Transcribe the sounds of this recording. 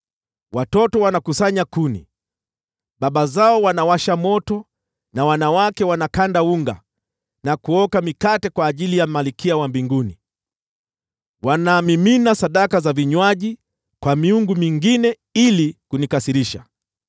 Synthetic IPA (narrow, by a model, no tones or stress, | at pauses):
watɔtɔwanakusaɲakunḭ | ɓaɓazaɔwanawaʃamɔtɔ | nawanawakɛwanakandauŋɡa̰ | nakuɔkamikatɛkwaːʄilijamalikʰiawambiŋɡuni | wanaːmiminasaɗakazaviɲwaʄi | kwamiuŋɡumiŋɡinɛ | ilikunikasiɾiʃa